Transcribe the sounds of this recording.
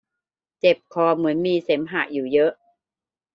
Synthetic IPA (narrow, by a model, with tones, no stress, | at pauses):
t͡ɕe˨˩p̚kʰɔː˧mɯ˩˦ənmiː˧se˩˦mɦaː˨˩juː˨˩jɤ˦˥ʔ